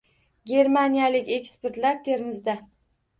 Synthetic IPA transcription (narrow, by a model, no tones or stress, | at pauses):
ɡʲe̞ɾmanijalɪkʲe̞kʲspe̞ɾt̪laɾt̪ʰe̞ɾmɪzd̪a